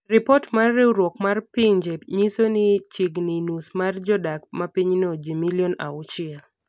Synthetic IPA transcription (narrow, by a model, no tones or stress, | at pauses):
ɾɪpɔtmarːeuɾwɔkmarpiɲd͡ʒeɲisonit͡ʃiɡninusmard͡ʒɔdakmapiɲnɔd͡ʒimiliɔna̰ʊt͡ʃɪal